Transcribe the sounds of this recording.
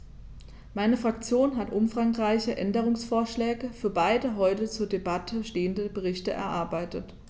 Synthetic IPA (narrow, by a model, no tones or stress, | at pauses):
maɪnəfʁ̥ak̚t͡sjoːnɦatʔʊmfʁ̥aŋʁaɪçəʔɛndəʁ̞ʊŋsfoːɐʃlɛːɡəfyːɐbaɪdəɦɔʏtət͡suːɐdebatʰəʃteːəndəbəʁ̞ɪçtəʔɛ̰ɐʔaɐbaɪtət